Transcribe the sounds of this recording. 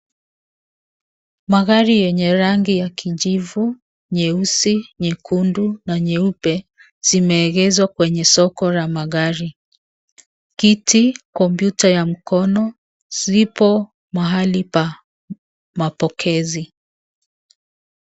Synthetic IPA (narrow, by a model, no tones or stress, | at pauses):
maɣaɾijɛɲɛɾaŋɡijakʰiʄivu | ɲɛusiɲɛkʰundunaɲɛupɛ | z̥imɛːɣɛzwakwɛɲɛsɔkɔlamaɣaɾi | kitikɔmpjutajam̩kɔnɔ | z̥ipɔ | maɦalipa | mapɔkʰɛzi